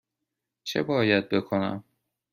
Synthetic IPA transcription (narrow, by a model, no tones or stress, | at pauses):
t͡ʃʰḛbɒːjæd̪̚be̞kʰo̞næ̰m